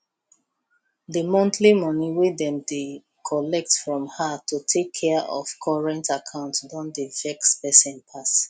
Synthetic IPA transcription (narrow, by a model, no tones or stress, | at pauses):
dəmɔ̃nθʰlimɔniwedɛ̃mde | kʰɔlɛk̚tfɹɔ̃mhatʰutʰekʰːɛʔɔ̰v̥kʰɔɹɛ̃ntakʰãʊ̃ntdɔ̃ndevɛkspɛsɛ̃npʰas